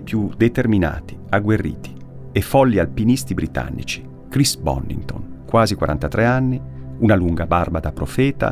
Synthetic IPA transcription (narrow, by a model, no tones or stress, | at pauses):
pjud̪et̪ermina̰ːt̪i̥aɡwerːḭːt̪i̥ | efɔlːialpinist̪ibɾit̪a̰nːḭt͡ʃi̥ | kɾisbɔ̰nːḭnt̪o̰ŋkwaːzikwaɾa̰nt̪at̪ɾɛanːiunaluŋɡabarbad̪apɾofɛːt̪a̰